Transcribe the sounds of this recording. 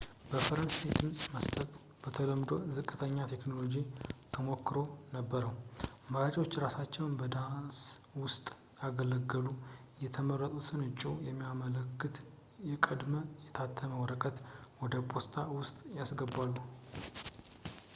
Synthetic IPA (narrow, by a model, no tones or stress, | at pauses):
b̥əfəɾənsajd̪ɨmsʼməst̪ʰʼət̪ | b̥ət̪ʰələmd̪o̞̰zɨkʼːɨt̪ʰəɲːat̪ʰe̞kno̞lo̞d͡ʒit̪ʰəmo̞kːɨɾo̞nəbːəɾəwməɾad͡ʒʼo̞t͡ʃːɾasat͡ʃːɛwnbəd̪answʊst̪ʼ | jaɡələɡːəlujɛt̪ʰəmərːət̪ʼusʰɨnɨt͡ʃʼːujɛmːijamələkːɨt̪ | jɛkʼəd̪məjɛt̪ʰat̪ʰːəməwɔɾəkʼət̪wɔd̪əpʰʼost̪ʰawʊst̪ʼjasɡəbalːu